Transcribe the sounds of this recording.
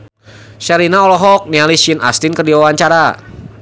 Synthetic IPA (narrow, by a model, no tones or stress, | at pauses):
ʃaɾinaɔlɔɦɔk̚nialiʃinʔa̰st̪ɪnkərdiwawaɲt͡ʃaɾa